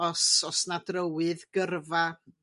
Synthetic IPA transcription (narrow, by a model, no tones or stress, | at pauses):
ɔsɔsnadrəwɨðɡ̥ərva